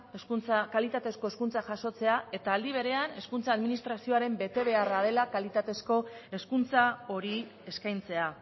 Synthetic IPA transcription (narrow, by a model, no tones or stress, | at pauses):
t͡sakalit̪at̪e̞sko̞e̞skunt͡saʝaʃo̞t͡se̞ae̞t̪aːld̪iβ̞e̞ɾe̞ane̞skunt͡saːðminist̪ɾasio̞aɾe̞mbe̞t̪e̞β̞e̞araðe̞lakalit̪at̪e̞sko̞e̞skunt͡sao̞ɾi | e̞skajnt͡se̞a